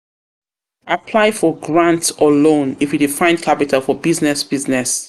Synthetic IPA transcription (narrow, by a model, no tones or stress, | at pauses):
ʔapʰlaɪfɔɡɹãntɔlõnifjidifãɪ̃nkʰapitʰalˠfɔbiznɛsb̥iznɛs